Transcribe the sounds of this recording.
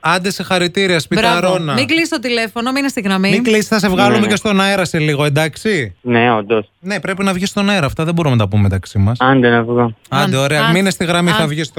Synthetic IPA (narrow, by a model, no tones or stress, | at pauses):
ɐnd̪esexɐɾit̪iɾiɐspiɐɾonɐmiɡliist̪ot̪ile̞fo̞nominest̪iɣɾɐmimiɡlisi̥sθɐs̬e̞vɣɐlumecest̪o̞nɐeɾɐse̞liɣo̞e̞nd̪ɐksineond̪osne̞pɾe̞pinɐvʝist̪o̞nɐeɾɐːft̪ɐðeboɾumnɐt̪ɐpumemet̪ɐksimɐsɐnd̪enɐvɣoɐnd̪eoɾeɐminest̪iɣɾɐmiθɐvʝis